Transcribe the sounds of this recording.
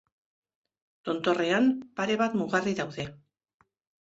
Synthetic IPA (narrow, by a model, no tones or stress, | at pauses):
t̪o̞nt̪o̞re̞ampaɾe̞βat̪muɣariðawðe̞